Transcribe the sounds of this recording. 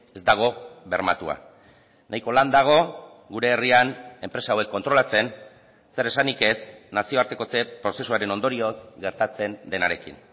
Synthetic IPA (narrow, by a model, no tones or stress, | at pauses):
e̞zd̪aɣ̞o̞βe̞ɾma̰t̪ua̰ | nʔajko̞land̪aɣ̞o̞ | ɡuɾe̞ːriane̞mpɾe̞saːwe̞kːo̞nt̪ɾo̞lat͡se̞n | se̞ɾe̞sanike̞snasio̞aɾt̪e̞ko̞t͡se̞pɾo̞se̞suaɾe̞no̞nd̪o̞ɾio̞zɡe̞ɾt̪at͡se̞nd̪e̞naɾe̞̰kḭn